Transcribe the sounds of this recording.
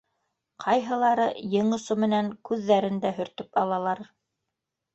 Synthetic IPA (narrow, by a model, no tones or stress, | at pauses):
qʰɑjɦɤ̆lˠɑɾɤjɤ̆ɴŏsomɘ̆næŋkʉðːæɾɘ̆nd̪æɦɵ̆ɾt̪ɘpɑlˠɑlˠɑɾ